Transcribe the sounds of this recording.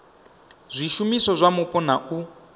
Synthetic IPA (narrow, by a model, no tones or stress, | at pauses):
zʷiʃumisɔzʷamupʼɔnaʔu